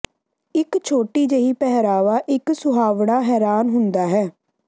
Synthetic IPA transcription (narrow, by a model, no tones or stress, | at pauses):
ɪkt͡ʃʰoːʈiːd͡ʒeiːpɛɦɾaːʋaːʔɪksʊɦaːʋɽaːɦɛːɾaːnɦʊnd̪aːɦɛː